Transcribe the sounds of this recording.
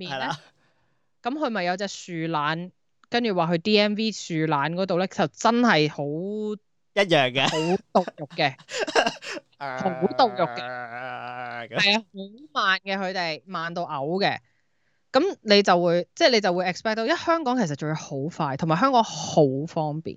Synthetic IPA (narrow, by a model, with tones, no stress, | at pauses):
miː˨nː˥˧ | kɐ˨˧˥mkʰɵ˨˧ɥmɐ˨jːɐ˧wt͡sɛː˧syː˨laː˨˥n | kɐ˥nt͡ʃyː˨˩waː˨kɵ˨˧ɥt̪iː˥ɛː˥nwiː˥syː˨laː˨˥nkɔː˨˥t̪̬o˨wlɛː˥t͡sɐ˨wt͡sɐ˥nhɐ˨jho˨˥w | jɐ˥t̚jœː˨˩ŋkɛ˧ho˨˥wt̪ʊ˨k̚jʊ˨kkːɛ˧ | ho˨˥wt̪ʊ˨k̚jʊ˨kːɛ˧ | hɐ˨jɐ˧ho˨˧˥wmaː˨nkɛː˧kʰɵ˨˧ɥt̪e˨jmaː˨nt̪o˧ʔɐ˨˥wkɛ̰˧ | kɐ˨˥mne˨˧jt͡sɐ˨wuː˨˧jt͡sɛː˥˩le˨˧jt͡sɐ˨wuː˨˧jʔɛ˨k̚spɛː˥k̚t̪o˨˧wjɐ˥hœː˥ŋkɔː˨˥ŋʰkʰsɐ˨t̚t͡ʃɵ˧ho˨˥wfaː˧jt̪ʰmaː˨˩jɦœː˥ŋkɔː˨˥ŋho˨˥wfɔː˥ŋpḭː˨˩n